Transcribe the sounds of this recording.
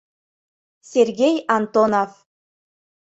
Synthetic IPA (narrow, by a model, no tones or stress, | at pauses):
sʲerɡʲejant̪onof